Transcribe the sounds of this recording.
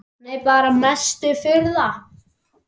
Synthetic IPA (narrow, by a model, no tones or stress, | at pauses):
nejpaːɾamɛst̪ʏfɪɾða